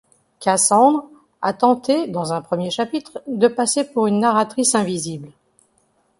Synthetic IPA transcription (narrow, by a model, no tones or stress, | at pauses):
kasɑ̃d̪ʁ | a̰t̪ɑ̃t̪ed̪ɑ̃zɛ̃pχəmjeʃapit̪χd̪əpasepuʁynːaʁat̪χisɛ̃vizibl